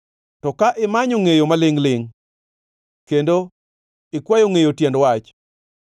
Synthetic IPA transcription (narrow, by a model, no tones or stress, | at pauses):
tɔkaʔɪmaɲoŋejomalɪŋlɪŋ | kendo | ɪkwajoŋejotjɛndwat͡ʃ